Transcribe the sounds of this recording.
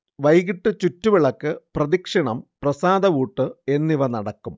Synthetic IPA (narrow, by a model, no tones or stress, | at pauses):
ʋɐjɣiʈːɨt͡ɕutːuʋiɭɐkːɨprɐðikʂɐɳɐmprɐsaːd̪ɐʋuːʈːɨe̞nːiʋɐnɐɽɐkːum